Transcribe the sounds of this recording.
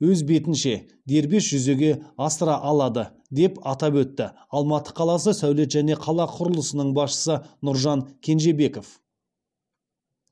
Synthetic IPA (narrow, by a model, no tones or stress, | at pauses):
wɵzbe̞t̪ɪnʃe̞ | d̪e̞ɾbe̞sʒ̥ʏze̞ɡʲe̞ɑst̪ɾɑʔɑlˠɑd̪ə | d̪e̞pɑt̪ɑpwɵt̪ːɪ | ɑlˠmɑt̪ːə̥qʰɑlˠɑs̬əsæwle̞t̪ʒæne̞qʰɑlˠɑqʰʊɾəlˠəsənəɴbɑsʃə̥sənʊɾʒɑŋkʲʰe̞nʒe̞be̞ko̞f